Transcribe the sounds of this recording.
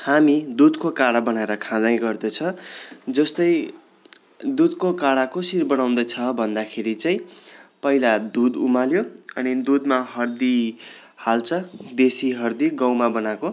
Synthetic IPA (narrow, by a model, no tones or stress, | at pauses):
hamid̪ud̪kokaɽabʌnaeɾʌkʰãd̪aj̃ɡʌrd̪ʌt͡sʰʌd͡zʌst̪ʌj | d̪ud̪̚kokaɽakosirbʌɽaw̃d̪ʌjt͡sʰʌbʱʌnd̪akʰeɾit͡saĩpʌilad̪ud̪ṵmaljoʌnid̪ud̪maɦʌrd̪i | halt͡sʰʌd̪esiɦʌrd̪iɡʌwmabʌnako